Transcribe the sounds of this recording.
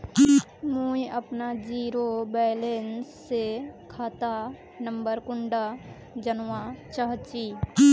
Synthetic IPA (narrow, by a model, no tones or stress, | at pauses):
muːjʔɐpnad͡ʒiːɾobɛːlensːekʰaːt̪a | nəmbəɾkʊɳɖa | d͡ʒənʋat͡ʃaɦt͡ʃiː